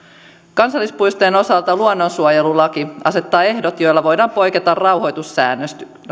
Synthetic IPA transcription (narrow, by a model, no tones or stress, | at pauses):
kɑnsɑlːispujst̪oeno̞sɑlt̪ɑluonːonsuojelulɑkiɑ̰se̞t̪ːɑːe̞hdot̪jo̞jlːɑʋojdɑːmpo̞jket̪ɑrrɑwho̞jt̪usːæ̰ːnːøst̪y